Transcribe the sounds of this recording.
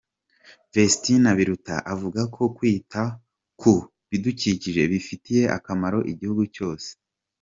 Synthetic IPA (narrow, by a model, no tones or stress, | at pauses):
vestinaβiɾuta̰ʔavuɡakʰo̞kwiːta | kʰu | βiduciciʒe̞βifitije̞ʔa̰kamaɾo̞ʔiɟihuɡuco̞ːse̥